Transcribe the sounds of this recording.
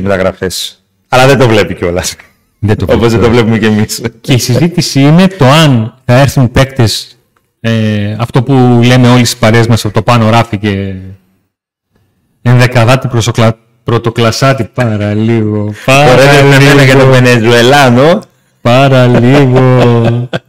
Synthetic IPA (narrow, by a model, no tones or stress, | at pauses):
met̪ɐɣɾɐ̰fes | ɐlɐðed̪o̞vle̞piceo̞lɐs | ðet̪oopozðed̪vlepumecemisceisizit̪isiine̞t̪o̞ɐnθɐe̞ɾθunpe̞kt̪e̞s | eɐft̪o̞pule̞me̞o̞lisi̥pɐɾezmɐsɐpot̪o̞pɐno̞ɾɐfice̞ | enðe̞kɐðɐt̪ipɾoslɐ | pɾo̞t̪o̞klɐsɐt̪ipɐɾɐliɣo̞pɐoɾeeɐeneʝɐt̪ovenezue̞lɐno̞ | pɐɾɐliɣo̞